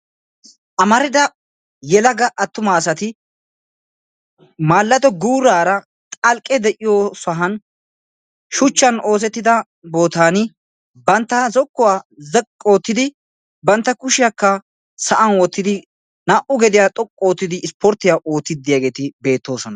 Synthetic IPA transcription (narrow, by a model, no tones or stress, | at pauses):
ʔɐmɐɾɪd̪ɐ | jɛlɐɡɐʔɐt̪ːʊmaːsɐt̪ɪ | maːlːɐt̪ɔɡuːɾaːɾɐ | t̪ʼɐlkʼːɛd̪ɛʔɪjosɐɦɐn | ʃʊt͡ʃːɐno̞ːs̬ɛt̪ːɪd̪ɐ | bo̞ːt̪aːnɪ | bɐnt̪ːɐzɔkːʊwaːzkʼːo̞ːt̪ːɪd̪ɪ | bɐnt̪ːɐkʊʃɪjɐkːɐ | sɐʔɐnwɔt̪ːɪd̪ɪ | naʔʊɡɛd̪ɪjaːt̪ʼɔkʼːo̞ːt̪ːɪd̪ɪɪspɔɾt̪ːɪjaʔo̞ːt̪ːɪd̪ɪjaːɡe̞ːt̪ɪbe̞ːt̪ːo̞ːsɔnɐ